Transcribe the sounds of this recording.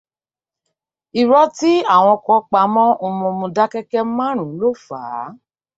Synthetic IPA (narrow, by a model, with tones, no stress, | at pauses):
i˨ɾɔ˦ti˦a˦˨w̃ɔ̃˧kɔ˧˦k͡pa˧˦mɔ̃˦o˧mɔ̃˧mũ˧da˦kɛ˦kɛ˦mã˦ɾ̃ũ˨˦lo˦fa̰ː˨˦